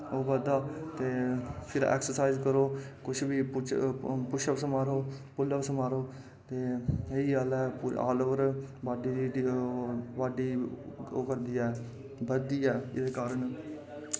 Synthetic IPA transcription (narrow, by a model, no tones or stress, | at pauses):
oːbəd̪aːt̪eːpʰɪɾɛ̰ːksəɾsaːɪzkəɾoːkʊt͡ʃʰbiːʊt͡ʃpʊʃəʋsəmaːɾoːpʊlːəʋsəmaːɾoː | t̪eːiːaːlɛːpːa̰ːloːʋəɾbaːɖiːɾiːɖ | baːɖiːoːkəɾd̪iːɛː | bəd̪iːɛːɪd̪eːkaːɾəɳ